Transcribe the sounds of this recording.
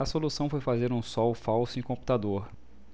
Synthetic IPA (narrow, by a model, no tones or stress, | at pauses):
ɐsolusɐ̃w̃fojfazeɾũsɔwfawsʊẽkõmpu̥t̪ad̪oɾ